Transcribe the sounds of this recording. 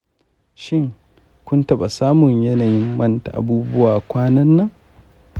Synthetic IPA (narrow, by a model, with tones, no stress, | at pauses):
ʃɪ˦ŋ | kʷʊ˦ntɐ˦˨ba˨saː˦mʊ˨ɲjɐ˦naː˨jɪ˦mːɐ˦nta̰˨ʔa̰˨buː˦bʊ˦waː˨kʷaː˦nɐ˦nːɐ˦ŋ